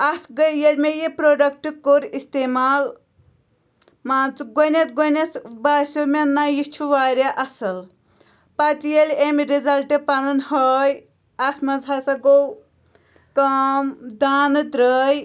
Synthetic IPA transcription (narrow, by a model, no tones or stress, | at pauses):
ɐsɡəjɐlʲmejipɾoːɖɐk̚ʈɨkoɾist̪emaːl | maːnt͡sɨɡonʲɐt̪ɡonʲɐt̪baːsʲomʲenːajit͡ʃʰuʋaːɾʲaʔɐsɨl | pɐt̪ijelʲemɾizɐlʈepɐnɐnhɐːj | ɐsmɐzɐsɐɡow | kɐmd̪aːnɨd̪ɾəːj